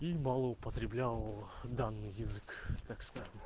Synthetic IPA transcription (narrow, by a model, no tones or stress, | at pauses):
imɑlˠəʊpət̪ɾʲɪblʲalˠd̪anːɨjːɪzɨkt̪akskaʐɨm